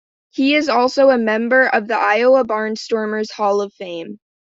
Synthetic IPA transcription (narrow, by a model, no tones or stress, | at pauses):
hiɪzɔlˠsoʊəmɛ̃mbə˞ʔʌvðiʔaɪoʊəbɑɹnstɔɹmə˞z̥hɔlˠʌv̥fẽɪ̃m